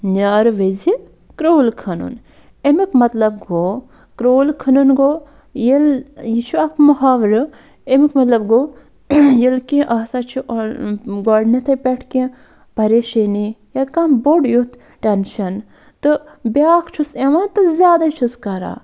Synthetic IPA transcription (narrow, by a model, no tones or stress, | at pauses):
naːɾʋezi | kɾoːlkʰɐnṵn | emikmɐt̪lɐb̚ɡoː | kɾoːlkʰɐnunɡoː | jiljit͡ʃʰuɐkmɐɦaːʋɾɨ | emikmɐt̪lɐbɡoː | jilkĩʔɐsat͡ʃʰiʔɡoːɖnit̪ʰɐpʲeʈʰkẽ | pɐɾeʃinijɐkɐmboɖjut̪ʰ | ʈenʃɐn | t̪ɨbʲaːkt͡ʃʰuseʋãnt̪ɨzʲjaːd̪at͡ʃʰuskɐɾa̰ː